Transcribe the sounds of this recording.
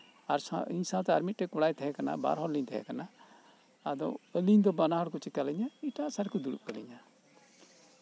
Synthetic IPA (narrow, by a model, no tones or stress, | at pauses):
aɾsaiɲsãwt̪ɛa̰ɾmit̪̚ʈɛkɔɽajt̪ʰɛɦɛkana̰ba̰ɾɦɔɾliɲt̪ʰɛɦɛ̰kana | ad̪ɔ̰əliɲd̪ɔbanaɦɔɽkut͡ʃikaliɲaiʈasaɽkud̪uɽṵʔ̚kəliɲa